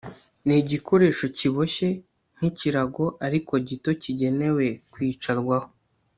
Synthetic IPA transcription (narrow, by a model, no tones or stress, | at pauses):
niɟiko̞ɾe̞ːʃo̞ciβo̞ʃe̞ | ŋ̥iciɾaɡo̞ʔaɾiko̞ɟito̞ciɟe̞ne̞we̞kwiːt͡ʃaɾɡwaho